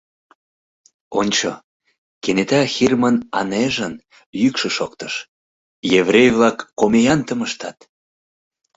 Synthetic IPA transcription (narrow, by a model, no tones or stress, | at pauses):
onʲt͡ɕo | kenet̪ɑxirmənɑ̰neʒən | jykʃə̆ʃok̚t̪əʃ | jevrejvlɑkːomejɑnt̪əməʃt̪ɑt̪